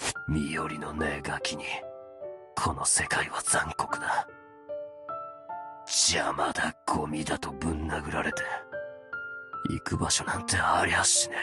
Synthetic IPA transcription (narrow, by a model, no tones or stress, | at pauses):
mʲijo̞ɾʲino̞ne̞ːɡakʲiɲ̟i | kʰo̞no̞se̞kaiβad͡zãŋko̞kɯ̟d̪a | d͡ʑiamad̪aɡʰo̞mʲid̪at̪o̞bɯ̟̃nːaɡɯ̟ɾaɾe̞t̪e̞ | ḭkɯ̟baɕo̞nãnt̪e̞aɾʲihaɕine